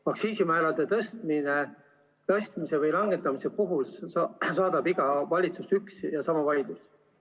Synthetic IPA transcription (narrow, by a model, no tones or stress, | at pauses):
mɑksiːsimæːɾɑd̪̥e̞t̪ɤst̪̚mine | t̪ɤst̪mise̞vɤjlɑŋɡ̥et̪ːˑɑmise̞puɦulsɑːd̪̥ɑbiɡ̥ɑvɑlʲit̪susyksjɑsɑmɑvɑlʲid̪̥us